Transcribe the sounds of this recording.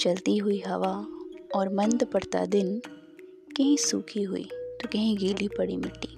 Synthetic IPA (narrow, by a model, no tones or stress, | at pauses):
t͡ʃɐlt̪iɦʊiɦɐʋaɔːɾmɐ̃nd̪pɐɽt̪a̰d̪ɪn | kɐɦĩsuːkʰiɦʊḭːt̪okɐɦĩɡiːlipɐɽimɪʈːiː